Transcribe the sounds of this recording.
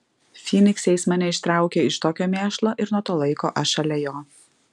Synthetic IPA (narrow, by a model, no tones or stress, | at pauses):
fʲiːnʲɪksʲɛɪsmɐnʲɛɪʃt̪ɾɑˑʊkʲeːɪʃt̪oːkʲoːmʲeːʃlˠoːʔɪɾnuɔt̪oːlˠɐɪko̰ːʔɐʃɐlʲɛjoː